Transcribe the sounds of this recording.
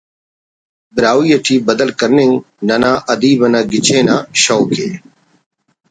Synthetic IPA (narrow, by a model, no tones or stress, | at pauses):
bɪɾaːwiːɐʈʰiːbɐd̪əlkɐɾnɪŋ | nɐnãːʔɐd̪iːbɐnaːɡɪt͡ɕʰeːnaːɕoːkʰḛː